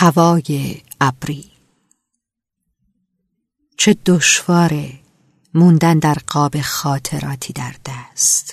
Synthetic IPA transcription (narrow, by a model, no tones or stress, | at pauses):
hævɒːjeæbɾiː | t͡ʃʰe̞d̪oʃvɒːɾe | mund̪ænd̪æɾɢɒːbe̞xɒːt̪ʰe̞ɾɒ̰ːt̪ʰiːd̪æɾd̪̥æst̪